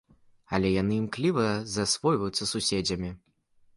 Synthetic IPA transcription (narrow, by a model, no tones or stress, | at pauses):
ɐlʲɛjanɨimklʲivɐzɐsvɔjvɐjut̪sːɐsusʲed͡zʲɐmʲi